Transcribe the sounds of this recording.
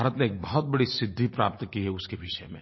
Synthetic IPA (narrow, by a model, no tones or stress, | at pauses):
aːɾət̪neːk̚bɐɦɔt̪̚bɐɽisɪd̪ʱːipɾaːp̚t̪kiɦɛʊskeʋɪʃɛmḛ̃ː